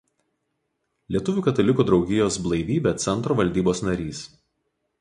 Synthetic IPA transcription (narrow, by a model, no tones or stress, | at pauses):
lʲiɛt̪ʊʋʲuːkɐt̪ɐlʲɪkuːd̪ɾɒʊɡʲɪjoːsblˠɐɪʋʲiːbʲɛt̪sʲɛnˑt̪ɾoːʋɐlʲd̪ʲiːboːsnɐɾʲiːs